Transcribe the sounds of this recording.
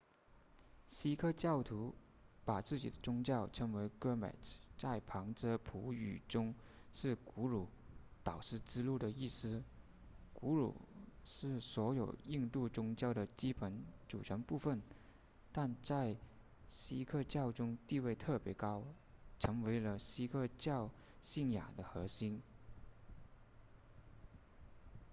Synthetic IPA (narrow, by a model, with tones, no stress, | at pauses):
ɕi˥kʰɤ˥˧t͡ɕjɑ˥˩ʊt̪ʰu˧˥ | pa˨˩t͡sɹ̩˥˩t͡ɕi˨˩d̪ə˦t͡sʊ˥ŋt͡ɕjɑ˥˩ʊʈ͡ʂʰɤ˧˥ŋwe˧˥ɪkɤ˥mɛ̰˨˩t͡st͡sa˥˩ɪpʰɑ˧˥ŋʈ͡ʂə˧˥pʰu˧˥y̰˨˩ʈ͡ʂʊ˥ŋ | ʂɻ̩˥˩ku˧˥ɻu˨˧˩t̪ɑ˨˩ʊʂɻ̩˥˩ʈ͡ʂɻ̩˥lu˥˩d̪ə˩i˥˩sɹ̩˥ | ku˧˥ɻṵ˨˩ʂɻ̩˥˩swɔ˧˥jo˨˩ʊi˥˧ŋt̪u˥˩t͡sʊ˥ŋt͡ɕjɑ˥˩ʊd̪ə˨t͡ɕi˥pʰə˧˥nʈ͡ʂṵ˨˩ʈ͡ʂʰə˧˥ŋpu˥˧fə˥˩n | t̪a˥˧nt͡sa˥˧ɪ | ɕi˥kʰɤ˥˧t͡ɕjɑ˥˩ʊʈ͡ʂʊ˥ŋt̪i˥˧we˥˧ɪt̪ʰɤ˥˩pjɛ˧˥kɑ˥ʊ | ʈ͡ʂʰɤ˧˥ŋwe˧˥ɪlə˧ɕi˥kʰɤ˥˧t͡ɕjɑ˥˧ʊ | ɕi˥˩nja̰˨˩d̪ə˦xɤ˧˥ɕi˥n